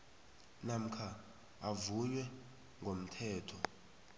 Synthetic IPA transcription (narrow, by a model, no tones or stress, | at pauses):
nam̩kʰa | avujwɛ | ŋʱom̩tʰɛːtʰɔ